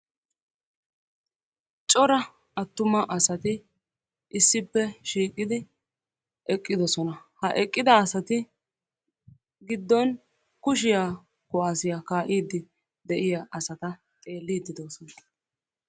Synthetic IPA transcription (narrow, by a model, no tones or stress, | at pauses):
t͡ʃʼɔɾɐ | ɐt̪ːʊmɐʔɐsɐt̪ɪ | ʔɪsːɪpːɛʃiːkʼːɪd̪ɪ | ʔɛkʼːɪd̪ɔsɔnɐhɐʔɛkʼːɪd̪ɐːsɐt̪ɪ | ɡɪd̪ːɔn | kʊʃ̬ɪjaː | kʊaːsɪjaːkaːʔiːd̪ːɪ | d̪ɛʔɪjaʔɐsɐt̪ɐ | t̪ʼe̞ːlːiːd̪ɪd̪ɔsɔnɐ